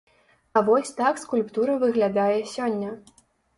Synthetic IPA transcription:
ɐvɔsʲt̪akskulʲpt̪uɾɐvɨɣlʲad̪ajɛsʲɔnʲːɐ

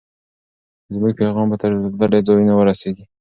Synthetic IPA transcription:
zmuɡ̚peɣɑmbat̪əɾd̪aɖed͡zɑjunawəɾaseɡi

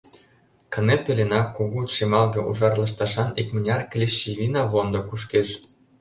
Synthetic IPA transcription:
kə̆nepelʲenɑkːoɣut̪ʃemɑlɣɤ̆ʔuʒɑrlɤ̆ʃ̬t̪ɑʃɑnikmə̆nʲɑrklʲeʃiβʲinɑβond̪ŏkuʃkeʃ

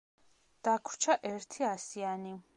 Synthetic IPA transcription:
d̪̥akʰɾ̥t͡ʃʰaʔɛɾt̪ʰiasiani

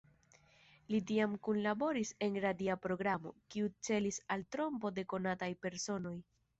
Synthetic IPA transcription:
lit̬iamkunlabo̞ɾise̞nɾadiapɾo̞ɡɾamo̞̰kiut͡se̞lisaltɾo̞mpo̞de̞ko̞natajpe̞ɾso̞no̞j

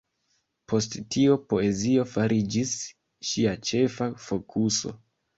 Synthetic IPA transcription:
po̞sttiopo̞e̞zio̞faɾʔid͡ʒis | ʃiat͡ʃe̞fafo̞kʰuso̞̰

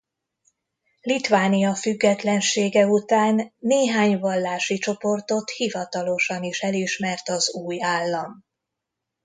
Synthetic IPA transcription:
lit̪vaːnijɒfyɡːɛt̪lɛnʃeːɡɛut̪aːnːeːɦaːɲvɒlːaːʃit͡ʃo̞po̞rt̪o̞t̪hivɒt̪ɒlo̞ʃɒniʃɛliʃmɛrt̪ɒzuːjaːlːɒm

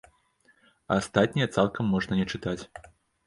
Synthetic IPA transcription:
ɐaast̪at̪ʲnʲijɐt̪salˠkɐmːɔʐnɐnʲɛt͡ʂɨt̪at͡sʲ

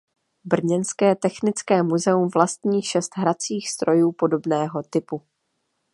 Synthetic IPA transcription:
br̩ɲɛnskɛːt̪ɛxnɪt͡skɛːmuzɛumvlast̪ɲiːxʃɛst̪ɦɾat͡siːxst̪ɾo̞juːpo̞do̞bnɛːɦo̞t̪ɪpu

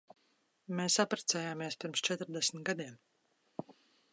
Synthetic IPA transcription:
meːsapɾɛt̪sɛːjaːmiɛspʲiɾmst͡ʃɛt̪ɾd̪ɛsm̩t̪ɡad̪iɛm

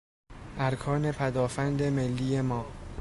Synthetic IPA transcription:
ʔæɾkʰɒːne̞pʰæd̪ɒːfænd̪e̞melːiːjemɒː

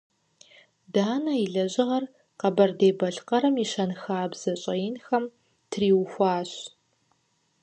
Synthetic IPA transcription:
daːnɐiɮɐʑɪʁɐr | qɐbɐrdeːbɐɬqɐɾɐmiʃɐnxaːbz̥ɐɕʼɐjɪnxɐm | tʰriːwxʷaːɕ

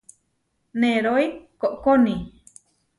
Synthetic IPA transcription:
neɾoikoʔkoni

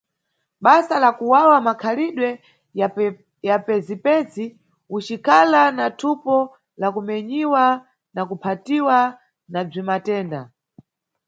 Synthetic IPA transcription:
ɓasalakuwawamakʰaliɗwɛ | japɛzipɛzi | ut͡ʃikʰalanatʰupɔ | lakumɛɲiwa | nakupʰatiwa | nab͡ʐimatɛːnda

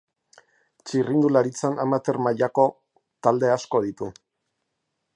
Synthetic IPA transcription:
t͡ʃirind̪ulaɾit͡sanʔamat̪e̞ɾmaʎako̞ | t̪ald̪e̞asko̞ðit̪u

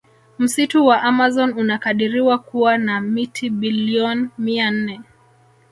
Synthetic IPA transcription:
m̩situwaʔamazɔnunakaɗiɾiwakuwanamitʰiɓiliɔnmian̩nɛ

